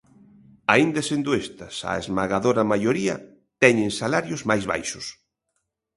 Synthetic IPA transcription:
aind̪ɐsend̪ʊest̪ɐsa̰ḛzmaɣaðoɾɐmajoɾiɐ | t̪ɛɲeŋnsalaɾjʊzmajzβa̰jʃʊs

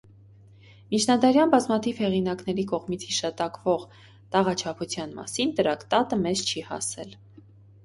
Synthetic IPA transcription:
mit͡ʃʰnɑd̪ɑɾjɑnbɑzmɑt̪ʰiv̥hɛʁinɑknɛɾikɔʁmit͡sʰhiʃɑt̪ɑkvɔʁ | t̪ɑʁɑt͡ʃʰɑpʰut͡sʰjɑnmɑ̰sint̪əɾɑkt̪ɑt̪əmɛzt͡ʃʰihɑ̰sɛ̰l

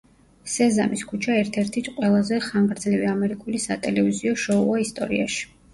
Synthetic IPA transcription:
sɛza̰miskʰut͡ʃʰaɛɾt̪ʰɛɾt̪ʰit̪ʰqʼwɛlˠazɛχaŋɡɾd̪zliviamɛɾikʼulisat̪ʼɛlɛviziɔʃɔuaist̪ʼɔ̰ɾḭa̰ʃi̥

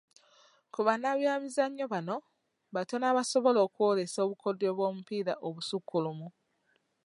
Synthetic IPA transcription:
kuβanaβjaːmizaɲːo̞βano̞ | βatonaːβaso̞βo̞lo̞ːkuwo̞le̞so̞ːβukʰo̞doβwoːmupiːɾaʔoβusukːulumu

